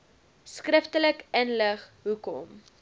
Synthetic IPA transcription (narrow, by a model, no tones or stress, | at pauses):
skrəftələkənləχɦukɔ̰m